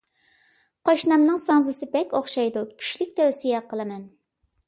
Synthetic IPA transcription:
qʰoʃnɑmnɨŋsɑŋzɨsɨbɛkʲoχʃɑjd̪ukʲʰy̥ʃlykʲt̪ʰɛwsijɛqʰəlˠɨmɛn

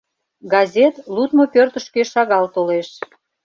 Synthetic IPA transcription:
ɡɑzʲet̪lut̪mopørt̪ə̆ʃkeʃɑɣɑlt̪oleʃ

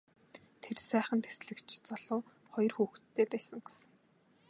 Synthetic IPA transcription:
t̪ʰersæːχə̆nt̪ʰesɮɘ̆kt͡ɕʰt͡sɔɮʊː | χɔjɞ̆rxuːxt̪ʰːeːpæːsə̆ŋɡe̥sɘ̆ŋ

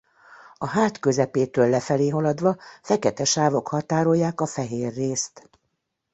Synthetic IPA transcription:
ɒɦaːt̪kø̞zɛpeːt̪øːlːɛfɛleːɦɒlɒd̪ʋɒfɛkɛt̪ɛʃaːvo̞khɒt̪aːɾo̞jːaːkɒfɛɦeːrːeːst̪

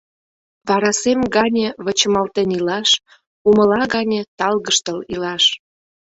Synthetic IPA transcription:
βɑɾɑsemɡɑnʲĕβət͡ɕəmɑlt̪enilɑʃ | umə̆lɑɣɑnʲĕt̪ɑlɣəʃt̪əlilɑʃ

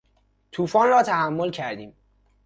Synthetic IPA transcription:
t̪ʰuːfɒːnrɒːt̪ʰæhæmːolcʰæɾd̪iːm

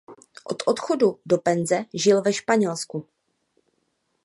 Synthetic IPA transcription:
ʔo̞t̪ʔo̞t̪xo̞dudo̞pɛnzɛʒɪlvɛʃpaɲɛlsku

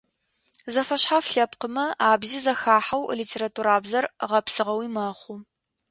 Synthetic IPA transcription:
zɐfɐɕħafɬɐp̚qəmɐaːbziːzɐxaːħawliːtʰeːɾatʰuːɾaːbzɐrʁɐpsɨʁɐwiːmɐχʷu

